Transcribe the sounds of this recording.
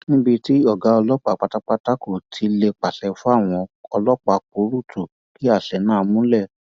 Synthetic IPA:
nĩ˦bi˧ti˦ɔ˦˨ɡa˨˦ɔ˧lɔ˦k͡pa˨k͡pa˧ta˦k͡pa˦ta˦ko˦˨tʰi˨˦le˧k͡pa˨ʃɛ˧fu˦a˦˨w̃ɔ̃˧ɔ˧lɔ˦k͡pa˧ko˨˦ɾu˦˨tʰu˨ | ki˨˦a˦˨ʃɛ˨˦nãː˦˧mũ˦lɛ˦˨

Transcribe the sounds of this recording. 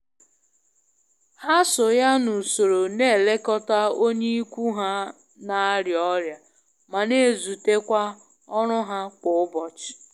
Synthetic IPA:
ha˦sʊ˨ja˦nu˨so˨ɾo˨ne˦˨le˦kɔ˦ta˦o˦ɲe˦i˦kʷu˦ɦa˦ | na˨˦ɾjɔ˦ɾja˨ | ma˨ne˦˨zu˨te˦kʷa˦ | ɔ˦ɾʊ˦ɦa˦kʷʊ˨ʊ˦bɔ˨t͡ʃɪ̥˨

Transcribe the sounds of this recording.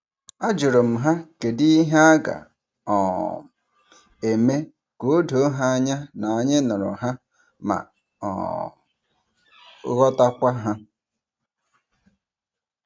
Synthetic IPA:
a˦d͡ʒʊ˨ɾo˨m̩˨ɦa˦ke˨di˦i˦ɦa˦a˦ɡa̰˨ | ɔ˨ | e˨me˦ | ko˦˨˦do˨˦ɦa˦a˦ɲa˦na˨a˨ɲɪ˦nʊ˨ɾʊ̰˨ɦa˦ | ma̰˨ | ɔ̰˨˦ | ɣɔ˦ta˦kʷa˦ɦa˦

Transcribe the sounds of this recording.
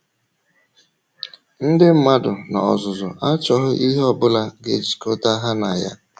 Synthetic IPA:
n̩˦dɪ˦m̩˦ma˦dʊ˨na˨ɔ˨zʊ˨zʊ̰˨ʔa˦t͡ʃɔ˨ɦʊ˦ʔi˦ɦɔ˦˨bʊ˦la˦ɡe˨d͡ʒi̥˨ko˦ta˦ɦa˦na˨ja̰˦

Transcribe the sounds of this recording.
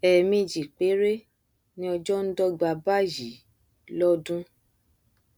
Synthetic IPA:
ɛ˨mĩ˧d͡ʒi˨k͡pe˨˦ɾe˦ | nĩ˦ɔ˧d͡ʒɔ˦n̩˦dɔ˦ɡ͡ba˧ba˦ji˨˦ | lɔ˦dũ˦

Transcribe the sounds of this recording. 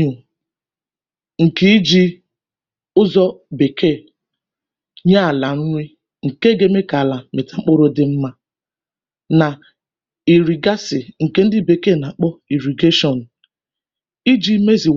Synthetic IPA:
u˨ | ŋ̩˨ki˦d͡ʒi˦ | ʊ˦zɔ˦be˨kʰe˦˨ | ɲa˦a˨la˨n̩˦ɲʷi˦ | ŋ̩˨ke˦ɡe˦me˦ka˨la˨me˨ta˨ŋ͡m̩˦k͡po˦ɾo˦dɪ˦m̩˦ma˦ | na˨ | i˨ɾi˨ɡa˦sɪ˨ŋ̩˨ke˦n̩˦dɪ˦be˨ke˦˨na˨k͡pɔ˦i˨ɾi˨ɡe˦ʃɔ˨n̩˨ | i˦d͡ʒi˦me˦zi˨

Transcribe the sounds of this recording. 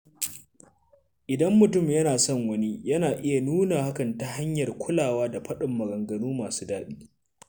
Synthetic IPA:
ʔɪ˨dɐ˦mːʊ˨tʊ˦˨mjɐ˦naː˨sɔ˦˨ŋwɐ˦ni˦jɐ˦naː˨ʔɪ˦ja˨nuː˦naː˨ha˦kɐ˨nta˦ha˦ɲjɐ˨rkʷʰʊ˦laː˨waː˦da˨ɸɐ˦ɗɪ˨mːɐ˨ɡɐ˨ŋɡɐ˨nuː˦maː˨su̥ː˦daː˦ɗiː˦

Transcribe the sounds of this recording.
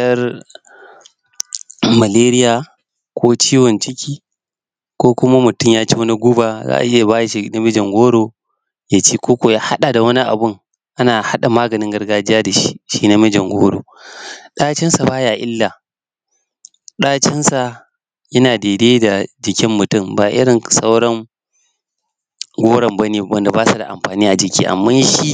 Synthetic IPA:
tɐ˦r | mɐ˨leː˦ɾɪ˦jaː˨ | kʰʷoː˦t͡ʃiː˦wɔ˨nt͡ʃɪ˦kʲʰiː˦ | kʷoː˦kʷʊ˦ma˦mʊ˨tʊ˦˨mjaː˦t͡ʃe˦wɐ˦ni˦ɡʷʊ˦baː˨za̰ː˦ʔa̰˨ʔɪ˦ja˨baː˦jʃi˦na˦mɪ˦d͡ʒɐ˨ŋɡʷoː˦ɽoː˨ | jaː˦t͡ʃeː˦kʷoː˦kʷo˨jaː˦ha˦ɗa˨da˨wɐ˦ni˦ʔa̰˨bʊ˦ŋ | ʔa˦naː˨ha˦ɗa˨maː˦ɡɐ˨nɪ˦ŋɡɐ˦rɡaː˦d͡ʒɪ˦jaː˦da˨ʃi̥˦ʃiː˦na˦mɪ˦d͡ʒɐ˨ŋɡʷoː˦ɽo̰ː˨ɗaː˦t͡ʃɪ˦nsa˨baː˦jaː˨ʔɪ˦lːa˨ | ɗaː˦t͡ʃɪ˦nsa˨ | jɐ˦naː˨deː˨deː˦da˨d͡ʒɪ˨kʲɪ˦mːʊ˨tʊ˦˨mbaː˨ʔɪ̰˦ɾɪ˨nsa˦wɽɔ˦ŋ | ɡʷoː˦ɽɐ˨mbɐ˦neː˨wɐ˦nda˨baː˦sa˨da̰˨ʔa̰˨mɸaː˨niː˦ʔa˨d͡ʒɪ˨kʲḭː˦ʔa̰˨mːa˦jʃi˦

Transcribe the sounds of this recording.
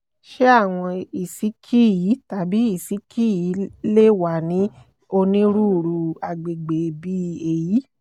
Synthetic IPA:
ʃe˦a˦˨w̃ɔ̃˧i˨si˨˦kʰi˦ji˨˦ta˨˦bi˨˦i˦˨si˨˦kʰi˦ji˨˦le˦˨wa˨nĩ˨˦ | o˧nĩ˦ɾu˦˨ɾu˧a˨ɡ͡be˨ɡ͡be˨˧bi˦e˧ji˨˦

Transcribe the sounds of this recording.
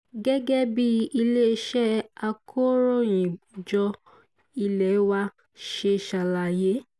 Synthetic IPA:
ɡɛ˦ɡɛ˦bi˦i˧le˦˧˦ʃɛ˦a˧kʰo˦ɾo˦˨jĩ˨d͡ʒɔ˧ | i˧lɛ˨˦wa˦˧ | ʃe˧ʃa˨la˨je˨˦

